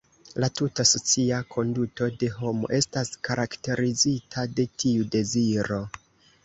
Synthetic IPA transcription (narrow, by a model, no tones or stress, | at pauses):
latutaso̞t͡siakʰo̞nduto̞de̞ɦo̞mo̞̰ʔe̞staskaɾʔakte̞ɾizitʰade̞tʰiude̞ziɾo̞